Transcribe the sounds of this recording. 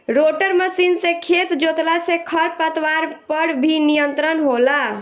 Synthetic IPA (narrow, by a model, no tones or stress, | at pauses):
ɾoʈəɾməsinsẽkʰet̪d͡ʒot̪lasẽkʰəɾpət̪waɾpəɾbʱinijənt̪ɾənɦola